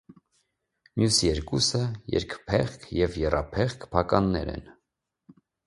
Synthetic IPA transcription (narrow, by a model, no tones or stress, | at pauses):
mjusjɛɾkusəjɛ̰ɾkpʰɛχkʰjɛvjɛrɑpʰɛχkʰpʰɑkɑnːɛ̰ɾɛ̰n